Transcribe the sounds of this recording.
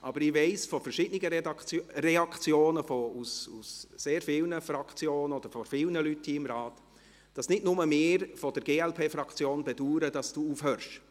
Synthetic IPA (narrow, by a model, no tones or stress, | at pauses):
ʔɑbəɾɪʋɛɪsfɔfəɾʃɪd̥nɪɡərɛɑkt͡sjoːnəfɔususːeːɾfɪlnəfɾɑkt͡sjoːnəɔd̥əɾfɔfɪlnəlythiːɪmɾɑːt | d̥ɑsnɪdnʊməmɪːɾfɔd̥əɾɡeːɛlpʰeːfɾɑkt͡sjoːnbɛduːɾəd̥ɑsd̥uːuːfhœɾʃ